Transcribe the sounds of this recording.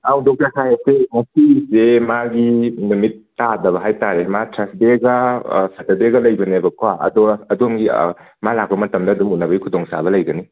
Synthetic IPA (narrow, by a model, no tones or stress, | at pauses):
awdokakʰajesemɐsisemaɡinumitːadɐβɐɦajtaɾematʰɾɐsdeɡɐsɐtɐbeɡɐlɐjbɐnebɐkʰwaɐ̰dɔɐdomɡḭ | malak̚bɐmɐtɐmdɐːdumunɐbɐɡikʰudɔŋsa̰bɐlɐjɡɐni